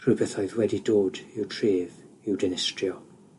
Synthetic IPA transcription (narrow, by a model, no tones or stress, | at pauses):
r̥ubəθɔɨðwɛdidoːdɪwtʰreːv | ɪwdɛnɪstrjɔ